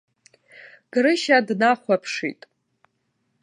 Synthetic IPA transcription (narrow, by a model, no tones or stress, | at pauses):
ɡ̥rɨʃadnaχʷapʰʂḭtʼ